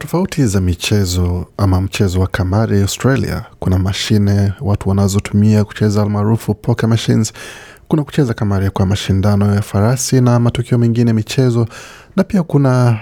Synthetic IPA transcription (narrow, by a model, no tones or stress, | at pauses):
tɔfautʰizamit͡ʃɛzɔamam̩t͡ʃɛzɔwakamaɾiastɾalḭa̰kunamaʃinɛwatuwanazɔtumiaku̥t͡ʃɛzalmaːɾufupʰɔkɛmaʃinz | kunaku̥t͡ʃɛzakamaɾiakwamaʃindanɔjafaɾasinamatukiɔmɛŋɡinɛmit͡ʃɛzɔ | napiakuna